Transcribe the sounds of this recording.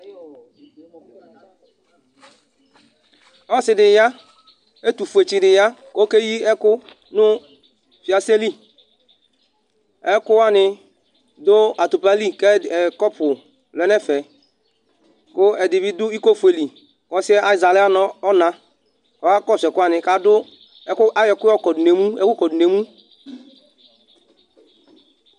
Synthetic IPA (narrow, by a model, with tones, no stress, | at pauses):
ɔ˦sɪ˨dɪ˨ja˦ | e˦tu˨fu˨e˨t͡ʃi˨dɪ˨ja˦ko˦ke˦ji˦ɛ˦kʊ˦ | nʊ˦ | fi˨a˨se˦li˦ | ɛ˦kʊ˦wa˦˨nɪ˨ | do˦a˨tu˨pa˦li˦kɛ˦˨ɛ˨kɔ˦pʰʊ˨ | lɛ˨nɛ˦˨fɛ˨ | kʊ˦ɛ˨dɪ˨bi˦dʊ˦i˦ko˦fe˨li˨ | kɔ˦si˦ɛ˦ʔa˦i˨za˨lɛ˦a˦nɔ˦ɔ˦na˨ | kɔ˨˦a˦kɔ˦˨sɛ˨kʊ˦a˦˨nɪ˨ka˦dʊ˦ | ɛ˦ka˦jɛ˨kʊ˦ɔ˦˨kɔ˨du˨ne˨mu˦ɛ̰˦ku˦kɔ˨du˨ne˨mu˦